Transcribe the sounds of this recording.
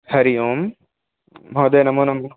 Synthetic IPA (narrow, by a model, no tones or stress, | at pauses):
hɐɾijoːmː | oːd̪eːnɐmuːnɐm